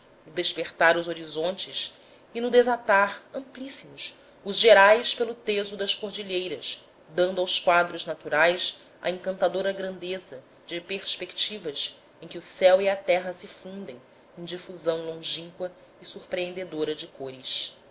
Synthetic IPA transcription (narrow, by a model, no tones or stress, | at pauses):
nʊd̪eʃpeχt̪aɾʊzoɾizõnt͡ʃɪs | inʊd̪ezat̪aɾɐ̃mplisimʊs | ʊzʒeɾajspelʊt̪ezʊd̪ɐskoɾd͡ʒiʎejɾɐs | d̪ɐ̃nd̪ʊawskwad̪ɾʊznat̪uɾajs | ɐ̰ẽŋkɐ̃nt̪ad̪oɾɐɡɾɐ̃nd̪ezɐ | d͡ʒɪpeɾspekt͡ʃivɐs | ẽj̃kʲɪusɛwiɐt̪ɛɦɐsɪfũnd̪ẽj̃ | ẽj̃d͡ʒifuzɐ̃w̃lõʒĩŋkwɐ | isuɾpɾeẽnd̪ed̪oɾɐd͡ʒɪkoɾɪs